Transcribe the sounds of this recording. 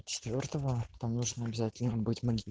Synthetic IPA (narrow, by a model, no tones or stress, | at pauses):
t͡ɕɪ̥t̪vʲo̞rt̪əvət̪amnuʐnəɐbʲɪzatʲɪlʲnəbɨtʲmɐɡʲil